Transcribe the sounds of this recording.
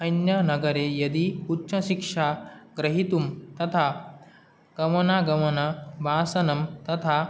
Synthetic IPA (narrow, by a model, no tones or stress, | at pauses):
ɐjnjɐnɐɡɐɾejɐd̪iutːʃʰɐʃikʂaːɡɾɐɦit̪umt̪ɐt̪ʰa | ɡ̥ɐmɐnaːɡɐmɐnɐbʱaːsɐnɐmt̪ɐt̪ʰa